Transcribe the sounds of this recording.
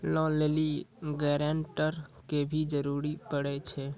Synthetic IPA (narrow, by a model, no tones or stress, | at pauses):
lɔleliɡɛɾãɳʈəɾkebʱid͡ʒəɾuɾipəɽɛt͡ʃʰɛ